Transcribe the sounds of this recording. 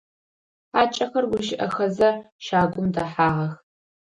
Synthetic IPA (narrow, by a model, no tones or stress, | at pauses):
aːt͡ʃʼɐxɐrɡʷʊʃɪʔɐxɐzɐ | ʃaːɡʷʼʊmdɐħaːʁɐx